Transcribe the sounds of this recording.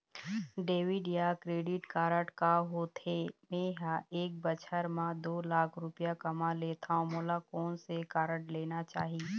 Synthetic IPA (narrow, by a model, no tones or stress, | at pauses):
ɖeːʋɪɖjakɾeːɖɪʈkaːɾəʈkaɦot̪ʰeːmẽːɦaeːk̚bət͡ʃʰəɾmãd̪oːlaːkʰɾʊpɪjakɐmaleːt̪ʰaõmoːlakɔːnsekaːɾəʈleːnat͡ʃaːɦi